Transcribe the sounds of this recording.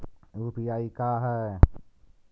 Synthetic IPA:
uːpiaːikaːɦɛ

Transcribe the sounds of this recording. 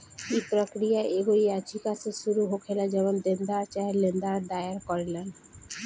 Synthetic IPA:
ipɾokɾijaeɡoɾijad͡ʑikasʰeʃuɾuɦokʰelad͡ʑɛbond̪end̪aɾt͡ɕaelend̪aɾd̪aeaɾkɔɾelen

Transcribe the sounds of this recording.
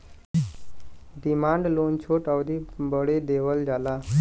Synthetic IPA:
ɖimaɳɖlont͡ɕʰoʈaʋd̪ibəɽed̪eʋəld͡zʱala

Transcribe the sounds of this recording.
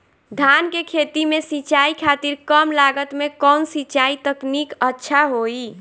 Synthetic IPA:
d̪ʱankekʰet̪imesit͡ʃaikʰat̪iɾkəmlaɡət̪mekɔnsit͡ʃait̪əknikətːʃʰaɦoi

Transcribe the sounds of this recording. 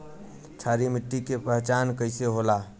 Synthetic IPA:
t͡ʃʰaːɾimɪʈːikepɾəɦt͡ʃaːnkəɪseɦolaː

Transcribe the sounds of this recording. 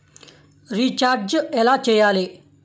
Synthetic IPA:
ɾit͡ɕaɾd͡ʑəelat͡ɕejale

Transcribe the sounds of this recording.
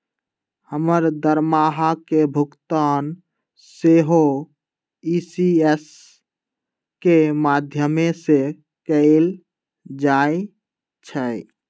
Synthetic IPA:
həməɾd̪əɾmaɦakebʱukt̪an | seɦo | isies | kemad̪ʱjəmese | kəel | d͡ʒae | t͡ʃʰə

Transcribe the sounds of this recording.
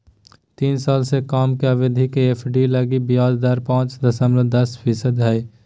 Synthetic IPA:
t̪iːnsaːlsekaːmkeɐʋed̪ʱikeeːpʰɖilɐɡibɪjaːzd̪aɾpãːt͡ʃd̪ɐsəmləd̪ɐspʰiːsəd̪ɦɛː

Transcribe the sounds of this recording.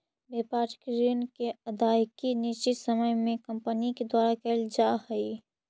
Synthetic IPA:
beːpaʈkɾinkeəd̪ajkinit͡ʃɪt̪səməjmẽkə̃mpəniked̪waːɾakeld͡ʒahəi

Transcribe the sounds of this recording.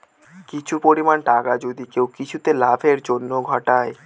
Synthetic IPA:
kit͡ɕʰupoɾimanʈakad͡ʑod̪ikewkit͡ɕʰut̪elabʱeɾd͡ʑonːoɡʱɔʈae

